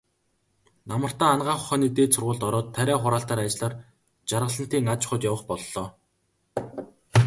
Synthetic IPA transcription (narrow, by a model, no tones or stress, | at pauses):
namə̆r̥t̪aːnɢaːχʊ̥χæːniːt̪eːsʰʊrʁʊːɮt̪ɔɾɔːt̪ʰːæɾʲæːχʊɾaːɬt̪aːɾat͡ɕɪɮaːr | t͡ɕarʁə̆ɮə̆n̥t̪iːŋat͡ɕχʊ̆t̪jawə̆χpɔɮːɔː